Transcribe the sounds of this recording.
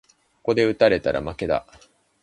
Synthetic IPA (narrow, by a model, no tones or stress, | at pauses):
ko̥ko̞d̪e̞ɯ̟t̪aɾe̞t̪aɾʔa̰make̞d̪a̰